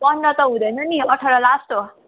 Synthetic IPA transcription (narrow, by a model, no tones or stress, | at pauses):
pʌndʌt̪ʌɦũd̪ʌjnʌniʌʈʰʌɾʌlasʈo